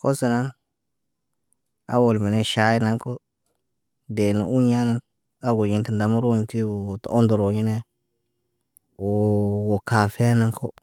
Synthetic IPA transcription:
ko˦se˨na˦n | a̰˦wo˨lme˨ne˦ʃa˨˦ji˦na˦ŋko˦ | de˨na̰˨u˦ɲa˦na˦ | a˦ɡo˨ɲi˦nti˨nda˨mu˦ɾo˦ɲ˨ti˦wo˨to˦ndo˨ɾo˨ɲi˦ne˦ | wo˨wo˨ka˨fe˦na˦ŋkʰo˦

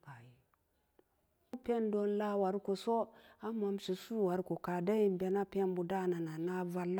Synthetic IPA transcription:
ba˨ji˨˦ | pe˦ndo˦nla˦wa˨ɾko˨so˦a˦ma˨mʃi˨su˦wa˨ɾko˨ka˨da˦ji˨mbe˨na˦pe˦nbu˨da˦˨na˨na˨na˦va˦la˦

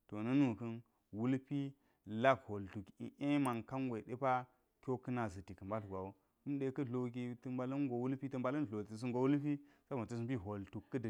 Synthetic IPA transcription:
to˨nə˦nu˨kə˦n | wu˦lpi˦ | la˦kho˨ltu˨ki˦ʔe˦ma˨ŋka˦nɡʷwe˨ɗe˦pa˦ | kʲo˦kə˦na˨zɨ˨ti˨kə˨mba˦lɡʷa˨wo˦ | ku˦mɗe˨kə˦ɮo˨k̬i˦tə˦mba˨lɐ˦nɡo˨wu˦lpi˦tə˦mba˨lɐ˦n˨o˨i˨s̬i˦ŋɡo˨wu˦lpi˦sa˦ba˨tə˨s̬ɨ˦mpi˦ɦo˨ltu˨kːə˦d

